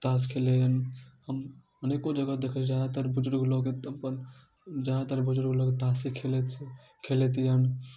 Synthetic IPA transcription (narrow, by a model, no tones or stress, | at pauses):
t̪aːskʰelejənhəm | ənekod͡ʒəɡad̪ekʰət͡ʃʰd͡ʒjad̪at̪əɾbʊd͡ʒɾɡloket̪pən | d͡ʒjad̪at̪əɾbʊd͡ʒɾɡloket̪asekʰel | kʰelet̪ijən